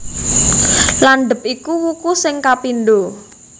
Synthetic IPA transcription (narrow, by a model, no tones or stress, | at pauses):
lanɖ̪ə̤p̚ikuwukusɪŋkapinɖ̪o